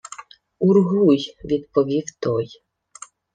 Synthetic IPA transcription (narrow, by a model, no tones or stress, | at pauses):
uɾɣujvʲit̪pɔvʲift̪ɔj